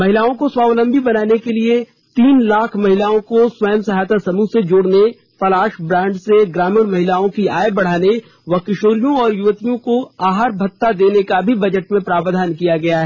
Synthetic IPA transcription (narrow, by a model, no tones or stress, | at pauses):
mɐɦɪlaːõkoswaːʋlə̃mbʱibɐnaːnekelie | t̪iːnlaːkʰmɐɦɪlaːõkoswɐjəmsɐɦaːt̪asɐmũsed͡ʒoːɽne | pɐlaːʃbɾãːɳɖseɡɾaːmənmɐɦɪlaːõkiaːebɐɽ̤aːne | ʋɐkɪʃoːɾijõɔːɾjʊʋət̪ijõkoaːɦaɾbʱɐt̪ːad̪eːnekabʱibɐd͡ʒəʈmẽpɾaːʋd̪ʱaːnkijaɡɐjaɦɛː